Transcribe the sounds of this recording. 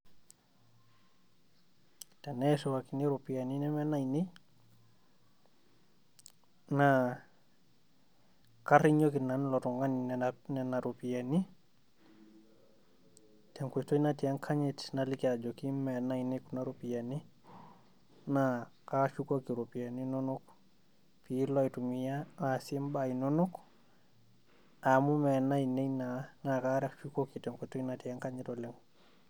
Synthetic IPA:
tɛnɛsɛwakiniɾupianinɛmɛnaini | na | kaɾiɲokinanlɔtɔŋɡaninnɛnaɾupiani | tɛŋkʷetoinatiaŋkʰaɲitnalikad͡ʒokimmɛnainekunaɾupijani | nakaʃukokiɾopijaninonuk | pilojtumijaːsimbainonuk | amumɛnainejnanakaɾakʃukokitɛŋketoinatiaŋkaɲitɔleŋ

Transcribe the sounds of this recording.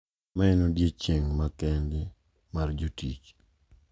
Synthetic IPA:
maɛnodjet͡ʃeŋmakɛnde | mard͡ʒotit͡ʃ

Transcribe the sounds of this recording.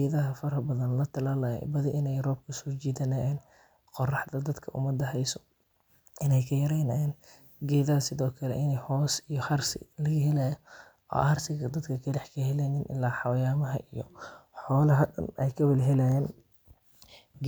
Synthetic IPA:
ɛðɐɦɐfɐɾɐbɐðɐnlɐt̪ʰɐlaːlɐjɛ̰bɐðɪʔɪnɛjrɔːb̚kʰɐsɔːt͡ʃiːðɐnajɛːn | qɔrɑħd̪ɐd̪ɐd̪kʰɐʔʊ̰mɐd̪ːɐɦɛjsɔ | ʔɪnɛjkʰɐjɐɾɛjnɐɛːn | ɡɛːðɐðɐsɪðɔːkʰɐlɛ̰ʔɪnɛjhɔːsijɔħɐrsɪ̰lɐɣɐɦɛlaːj | ʔɔ̰ːɐrsɪɣɐd̪ɐd̪kʰɐkʰɐlɛħkʰɐhɛlɛnɪnʔɪ̰lːaːħɑwɐjaːmɐɦɐ̰ʔijɔ̰ħɔːlɐɦɐd̪ɐ̰nɛ̰jkʰɐwɪlɦɛlɛn

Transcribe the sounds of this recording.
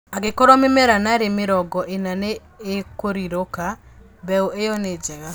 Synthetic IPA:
aɡekɔɾɔmemɛɾanaɾemeɾɔɡɔʔenaneː | koɾiɾoka | bɛoʔejɔned͡ʒɛɣa

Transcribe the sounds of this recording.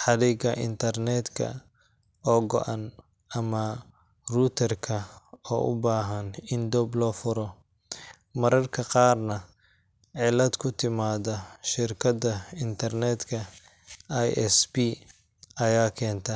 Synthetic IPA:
ħɑðɛɡɐʔɪ̰nt̪ʰɐrnɛːd̪kʰɐ̰ | ɔːɡɔ̰ʔan | ʔɐmɐ | ruːt̪ʰɐrkʰɐɔ̰ːʔʊ̰baːɦɐnɪnd̪ɔːblɔːfʊɾɔ | mɐɾɐrkʰɐqɑːrnɐ | ʕɪlɐd̪kʰʊt̪ʰɪmaːðɐʃɪrkʰɐd̪ɐɪnt̪ʰɐrnɛd̪kʰɐ | ajɛ̰sbi | ɐjaːkʰɛːnt̪ʰɐ

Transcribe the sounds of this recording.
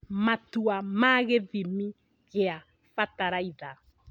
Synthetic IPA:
matuamaɣeðimi | ɣea | fataɾaiða

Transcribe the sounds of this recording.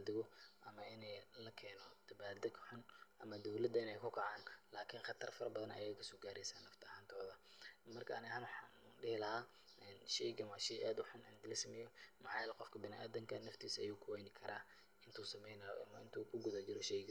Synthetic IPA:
d̪ɪɣɔʔɐmɐɪnɛjlɐkʰɛːnɔd̪̥ɐβaːd̪ɐkʰħʊnʔɐmɐd̪ɔwlɐd̪ɐɪnɛjkʰʊkʰɐʕaːnlaːkʰɪnχɑt̪ʰɐrfɐɾɐbɐðɐnɐ̰jɛkʰɐsɔːɡaːɾɛjsaːnːɐft̪ʰɐɐhaːnt̪ʰɔːðɐmɐrkʰɐnɪhaːnwħɑːnuːɖɪhɪlɐhaː | ʔɛnʃɛjɡɐnwaːʃɛʔaːd̪ʊħʊnɐnɡ̪ɐlɐsɐmɛjɔmɐħɑːjɐlɛqɔfkʰɐbɪnɪʔaːðɐŋkʰɐnɐft̪ʰiːsɐjuːkʰʊwɛjnɪkʰɐɾaː | ɪnt̪ʰuːsɐmɛjnɐjɔ̰ʔɐ̰mɐɪnt̪ʰuːkʰʊɡʊðat͡ʃɪɾɔʃɛjɡɐ

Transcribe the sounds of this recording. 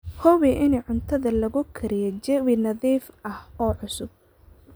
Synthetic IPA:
hɔwiʔɪniʕʊnt̪ʰɐðɐlɐɣʊkʰɐɾɪjɛt͡ʃɛwɪnɐðiːfʔɐhɔːʕʊsʊb̚

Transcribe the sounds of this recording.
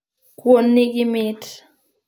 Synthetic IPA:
kwonːiɡɪmɪt

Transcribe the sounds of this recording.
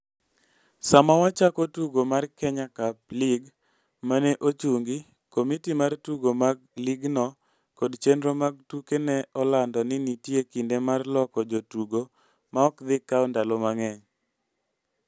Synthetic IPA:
samawat͡ʃakotuɡomarkɛɲakaplɪɡ | maneʔot͡ʃuŋɡi | komitimartuɡomaɡ̚lɪɡnɔ | kɔdt͡ʃendɾomaɡ̚tukenɛɔlandɔnɪnitjekindemarlɔkɔd͡ʒotuɡo | maɔkd̪ɪkːaɔndalɔmaŋɛŋ

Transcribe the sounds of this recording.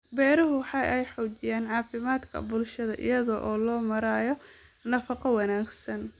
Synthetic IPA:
bɛːɾɐɦʊwħɑjʔɛjħɔːd͡ʒɪjaːnʕɑːfɪmaːd̪kʰɐ̰bʊlʃɐðɐʔɪ̰jɐðɔʔɔːlɔːmɐɾaːjɔ | nɐfɐqɔwɑnaːɡsɐn

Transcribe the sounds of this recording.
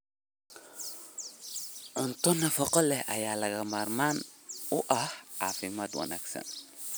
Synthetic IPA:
ʕʊnt̪ɔnɐfɔqɔlɛhɐjaːlɐɣɐmaːrmaːnʊʔɐhʕaːfɪmaːt̪wɐ̰na̰ːɡsɐ̰n

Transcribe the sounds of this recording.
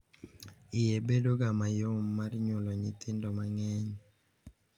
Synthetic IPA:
ɪjebedoɡamajomːarɲʊlɔɲɪt̪ʰɪndɔmaŋɛɲ

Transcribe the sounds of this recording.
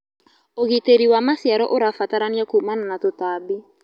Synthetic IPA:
oɣiteɾiwamasiaɾɔʔoɾafataɾaniakuumananat̪otaːbi

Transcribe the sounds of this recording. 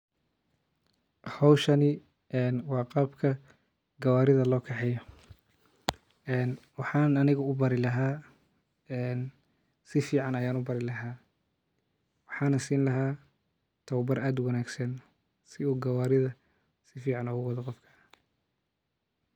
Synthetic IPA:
hɔwʃɐnɪ | ɛːnwɑːqɑːbkʰɐ | ɡɐwaːɾɪðɐlɔːkʰɛħɛjɔ | ɛːnwɑħɑːnɐnɪɣɐʊbɐɾɪlɐɦaː | ɛːn | sɪfiːʕɑnɐjaːnʊbɐɾɪlɐɦaː | wɑħɑːnɐsiːnlɐɦaː | t̪ʰɐwbɐraːd̪wɑnaːɡsɐn | sɪuːɡɐwaːɾɪðɐ | sɪfiːʕɑnɔːɣʊwɐðɐqɔfkʰɐ̥

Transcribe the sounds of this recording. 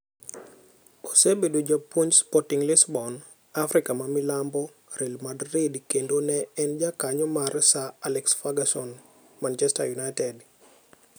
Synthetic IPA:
osebedod͡ʒapwoɲspɔtiŋlɪsbɔn | afɾɪkamamɪlambɔ | ɾɛlmadɾidkendonɛɛnd͡ʒakaɲɔmarsaalɛksfaɡasɔn | mant͡ʃɛsta̰junajtɛd

